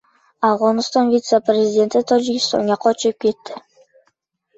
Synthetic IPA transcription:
avʁonst̪onvʲit̪səprʲezʲɪdʲent̪ɪt̪ʰod͡ʒiɡʲist̪o̰njɑqːot͡ʃøp̚ket̪ːɪ

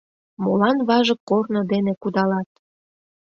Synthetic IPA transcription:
molɑnβɑʒəkːornɤ̆d̪enekud̪ɑlɑt̪̚

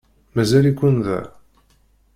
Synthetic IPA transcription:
mæzælikʷːənðæ̰

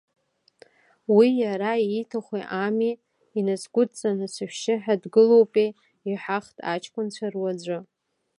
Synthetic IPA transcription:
wijaɾaiːtʰaχʷiʔamiː | nasɡʷʊdt͡sʼanɨsɨʃʷᶣʃɪħadɡɨlo̞wpʼi | iħaχtʼa̰t͡ʃʰkʷʼʊnt͡ɕʷʰarwad͡zʷʊ

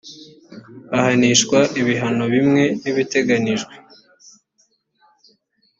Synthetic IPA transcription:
ahaniʃkwaʔiβiɦano̞βimŋe̞niβite̞ɡaniʒɡwe

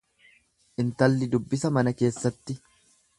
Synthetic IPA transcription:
ʔɪnt̪ɐlːɪd̪ʊbːɪsɐmɐnɐke̞ːsːɐt̪ːɪ

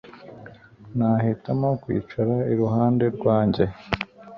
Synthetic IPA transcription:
nahitamo̞kwḭːt͡ʃaɾaiɾuɦaːnde̞ɾɡwaːɲɟe̞

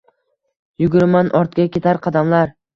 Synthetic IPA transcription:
jʊɡʲʊɾɪmanʔɒɾt̪̚kʲakʲe̞t̪ʰaɾqʰɑd̪amlaɾ

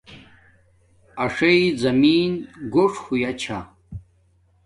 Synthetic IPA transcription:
aʂejd͡zɐmiːnɡʷoʂxʷujat͡ɕʰa

